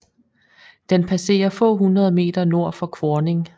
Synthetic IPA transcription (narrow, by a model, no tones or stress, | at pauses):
d̥enpʰæse̝̰ːɐfɔ̰̽ːɦunʁɐð̞ˠme̝̰ːd̥ɐno̝ɐ̰fɒ̽kʰʋɒːne̝ŋ